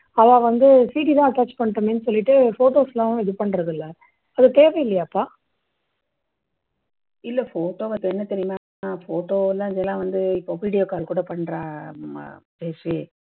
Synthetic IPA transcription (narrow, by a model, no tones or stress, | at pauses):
ɐʋãːʋɐnd̪ɯsiːʈ̬iðãːɐʈːaːt͡ʃpɐɳːʈːɐmeːnːɯsɔlːɪʈːɯfoːʈoːslãːɛðɯpɐɳːɐɾɯɣɯlːɐ | ɐðɯt̪eːʋɛɪlːɐjaːpːaː | ɪlːɐfoːʈoːʋɐt̪ːɛnːɐt̪ɛɾɪjmaːnaːfoːʈoːlãːɪðɛlãːʋɐnd̪ɯɪpːoːʋiːɽɪjoːkaːlkuːɽɐpɐɳːɾã̰ː | peːt͡ʃɯ